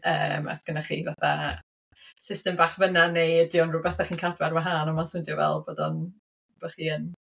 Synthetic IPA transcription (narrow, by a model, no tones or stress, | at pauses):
ə̰ːma̰θɡ̥ənaχḭːvaθa | sɪstɛmbaːχvənanejədjɔnrʊbɛθaχiːnkʰadwɛrmaɦaːnɔmasʊndjɔvɛ̰lˠboːdɔn | b̥aχiːən